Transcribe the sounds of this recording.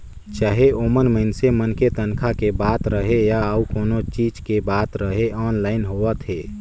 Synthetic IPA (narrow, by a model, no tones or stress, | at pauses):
t͡ʃaːɦeʔoːmənməɪnsemənket̪ənkʰakebaːt̪ɾəɦejaəukoːnot͡ʃiːd͡ʒkebaːt̪ɾəɦeʔɔːnlaːɪnɦoːət̪ɦeː